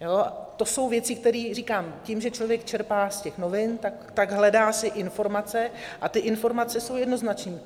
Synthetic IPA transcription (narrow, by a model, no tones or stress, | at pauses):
joːat̪o̞so̞wvjɛt͡sɪk̚t̪ɛɾiːr̝iːkaːmcimʒɛt͡ʃlovjɛkt͡ʃɛɾpaːscɛxno̞vɪnt̪akt̪aɡɦlɛdaːsɪʔɪnfo̞ɾmat͡sɛʔat̪ɪʔɪnfo̞ɾmat͡sɛsowjɛdno̞znat͡ʃɲiː